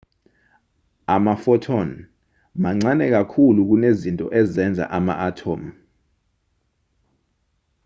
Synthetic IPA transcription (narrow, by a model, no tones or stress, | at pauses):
amafɔtʰɔn | maŋ͡ǀanɛk̬akʰuluk̬unezintʼɔ̰ʔɛzɛnd͡zʱa̰ʔama̰ʔatʰoːm̩